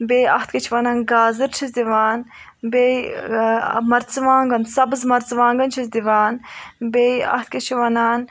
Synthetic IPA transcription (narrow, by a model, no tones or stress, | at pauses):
beːjɐht̪ʰket͡ʃʰʋɐnaːnɡaːzɨɾt͡ʃʰizd̪iʋaːn | beːj | mɐɾt͡sʋaːŋɡɐnsɐbɨzmɐɾt͡sʋãːŋɡɐnt͡ʃʰizd̪iʋaːnbeːjɐ̰ht̪̚ʰket͡ʃʰiʋɐnaːn